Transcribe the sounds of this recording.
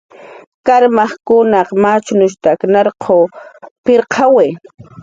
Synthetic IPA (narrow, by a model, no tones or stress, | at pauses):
kaɾmɑχkʊnɑqmat͡ʃnʊʃt̪aːknɑɾqʰoːpɪɾqʰɑwe